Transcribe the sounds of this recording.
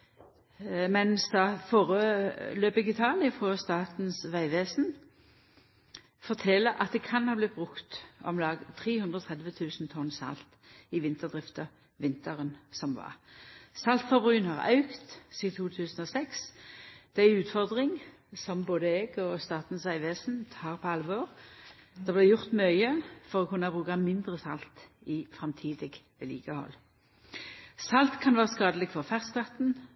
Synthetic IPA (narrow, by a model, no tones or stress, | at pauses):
mɛnsd̪ɑfoːʁəløːpɛɡɪt̪ʰɑːlɪəfʁɔst̪ɑːt̪n̩sʋæɪʋeːsn | fɔt̪ʰɛləɾʔɑ̰t̪̚d̪ɛkʰɑnhɑːblɪt̪̚bʁʉkt̪ɔ̰mlɑːɡt̪ʰʁeːhʉnd̪ʁəɔt̪ʰʁɛd̪ʋət̪ʰʉːsnt̪ʰɔnsɑ̰lt̪ | ɪʋɪnt̪əʁd̪ʁɪft̪ə | ʋɪnt̪əʁənsɔmʋɑ̰ʁsɑlt̪fɑbʁʉːənhɑʁɑ̰ʉkt̪siːt̪ʰuːt̪ʰʉːsən̩ɔsɛksd̪̥æɪʉːt̪fɔʁd̪ʁɪŋ | sɔmboːd̪əɛɡɔst̪ɑːt̪n̩sæɪʋeːsn̩t̪hɑːʁpʰɔɑlʋɔʁd̪̥ɑblæɪjʊʁt̪mœʏəfɔʁɔkʰʉnəhɑbʁʉːkɑmɪnd̪ʁəsɑlt̪ | ɪfʁɑmt̪ʰiːd̪ɪɡʋeːlḭːɡ̥ɑhɔ̰l | sɑlt̪kʰɑnʋæːʁəskɑːd̪əlɪɡfɔʁfæʁsplɑt̪n̩